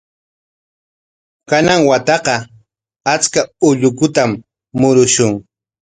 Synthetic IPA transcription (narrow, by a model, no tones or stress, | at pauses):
kanaŋwat̪ɑqɑ | at͡skaʊʎʊkʊt̪amː | ʊɾʊʃʊŋ